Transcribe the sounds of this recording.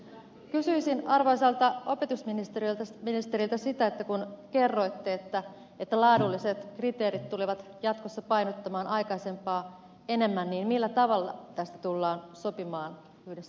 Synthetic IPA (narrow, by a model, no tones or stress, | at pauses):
kysyisinɑrʋoisɑlt̪ɑo̞pe̞t̪usminist̪eɾilt̪ɑminist̪e̞ɾilt̪æsit̪æet̪ːækunke̞rːo̞jt̪ːeːt̪ːæ | et̪ːælɑːdulːiset̪krit̪e̞ːɾit̪t̪uliʋɑt̪jɑt̪kosːɑpɑjnot̪ːɑmɑːnʔɑjkɑise̞mpɑː | e̞ne̞mːænniːnmilːæt̪ɑʋɑlːɑ̰t̪æst̪æt̪ulːɑːnso̞pimɑːn | yhdesː